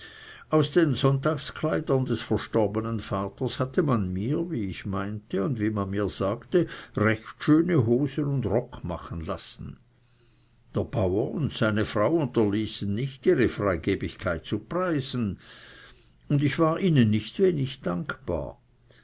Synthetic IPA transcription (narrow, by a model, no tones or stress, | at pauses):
ʔaʊsd̥enzɔntaːkskʰlaɪdɐndɛsfɛɐʃtɔʁbənənfaːtɐshatʰəmanmiːɐviːɪçmaɪntəʊndviːmanmiːɐz̥aːktəʁɛçtʃøːnəɦoːzəʊndʁɔkʰma̰χən̩lasn̩ | d̥eːɐb̥aʊɐʊntsaɪnəfʁaʊʊntɐliːsn̩ːɪçtiːʁəfʁ̥aɪɡeːbɪçkʰaɪt̚t͡supʁ̥aɪzn̩ | ʊndɪçv̥aːʁʔiːnənːɪçtveːnɪçd̥aŋkb̥a̰ːɐ